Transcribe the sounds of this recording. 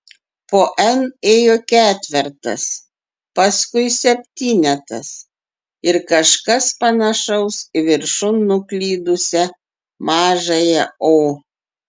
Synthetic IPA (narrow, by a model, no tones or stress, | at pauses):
poːʔɛneːjoːkʲæːt̪ʲʋʲɛɾt̪ɐ̰s | pɐskʊɪsʲɛpʲt̪ʲiːnʲɛt̪ɐs | ɪɾkɐʃkɐspɐnɐʃɐʊsʋʲɪɾʃʊnːʊklʲiːd̪ʊsʲɛ | mɑːʒɐjɛoː